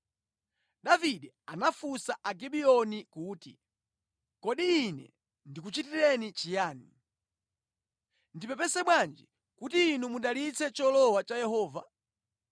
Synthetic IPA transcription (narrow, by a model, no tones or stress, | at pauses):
ɗaviɗɛ | anafusaʔaɡiɓiɔnikuːtḭ | kɔɗiːnɛ̰ | ndik̬ut͡ʃitiɾɛnit͡ʃijaːnḭ | ndipɔpɛsɛɓwand͡ʒi | kutiːnumuɗalit͡sʰɛt͡ʃɔlɔwat͡ʃajɛɦɔːva